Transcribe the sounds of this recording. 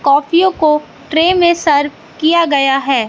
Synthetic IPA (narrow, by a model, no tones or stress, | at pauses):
kɔːpʰijõko | ʈɾeːmẽsɐɾʋ | kijaɡɐjaɦɛː